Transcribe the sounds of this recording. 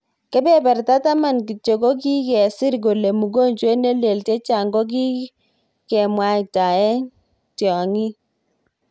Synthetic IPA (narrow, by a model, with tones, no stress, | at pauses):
kɛ˦bɛ˦˨bɛ˨rta˦ta˦ma˨nki˨t͡ʃo˨ko˦k̬i˦kɛ˨sɪ˦ɾk̬o˨le˨mu˨ɡo˦nt͡ʃwe˦ne˦le˨lte˦t͡ʃa˨ŋɡɔ˦k̬i˦ | kɛ˨mwa˦ɪ˨ta˨ɛ˦ | tjɔ˨ŋi˦